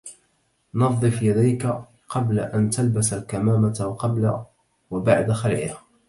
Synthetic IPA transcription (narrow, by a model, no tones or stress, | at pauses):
nɑðˤɨfjad̪ajka | qɑbla̰ʔant̪albasalkamaːmat̪qɑbla̰ | wabaʕd̪axalʕɪ̰ha